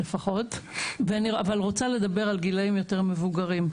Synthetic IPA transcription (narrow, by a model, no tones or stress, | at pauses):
lefaχo̞tveaniavalʁot͡sale̞d̪abe̞ʁalɡilaimjo̞te̞ʁme̞vuɡaʁim